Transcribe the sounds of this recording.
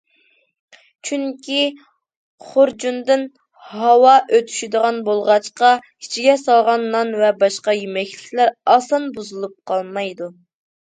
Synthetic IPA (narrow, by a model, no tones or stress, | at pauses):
t͡ʃʰyŋkʲi | χoɾd͡ʒund̪ɪn | hɑwɑʔøt̪ʰy̥ʃid̪əʁɑnbolˠʁɑt͡ʃqɑ | i̥t͡ʃʰiɡʲɛsɑlˠʁɑnːɑnvɛbɑʃqɑjymɛkʲlɪkʲlæɾɑsɑnbuzɨlˠup̚qʰɑlˠmɑjd̪u